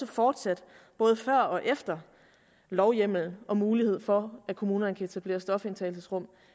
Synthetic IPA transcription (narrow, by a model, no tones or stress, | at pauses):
əfɒːd̥sæd̥ | b̥ɔ̽ːð̞̩ˠəfɶɐ̰ɒ̽ʔefd̥ɐ | lɒʊjem̰l̩n̩ɒ̽muːlihe̝ð̞̰ˠfɒ̽ækʰo̝muːnɐnəkʰæe̝t͡sʰæb̥le̝ːɐsd̥ɒ̽fe̝nt͡sʰɛ̰lsesʁɔ̽m̰